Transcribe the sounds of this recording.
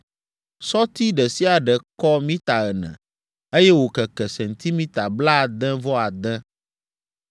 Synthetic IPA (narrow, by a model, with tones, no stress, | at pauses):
sɔ˦t̪i˦ɖɛ˨si˦a˨ɖɛ˨kɔ˦mĩ˦t̪a˨ɣɛ˨nɛ̰̃˨ | e˦jɛ˦wo˨kɛ˨kɛ˨sɛ˨nt̪i˦mĩ˦t̪a˨bla˦˨d̪ɛ̃˦vɔ˦a˨d̪ɛ̃˦